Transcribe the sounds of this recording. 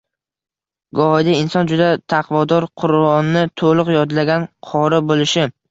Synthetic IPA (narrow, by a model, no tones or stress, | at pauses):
ɡɒɒjd̪aɪnsɒnd͡ʒʊd̪at̪ʰɑqʰvɒd̪ɒɾqʰʊɾɒnːɪt̪ʰolˠʊqjɒd̪laɡʲanqʰɒɾɪbolɪʃɪ